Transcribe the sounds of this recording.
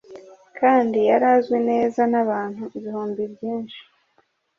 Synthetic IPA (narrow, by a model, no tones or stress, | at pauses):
kʰaːndijaɾazɡwene̞ːzanaβaːnhuʔiβihoːmbibjiːnʃi̥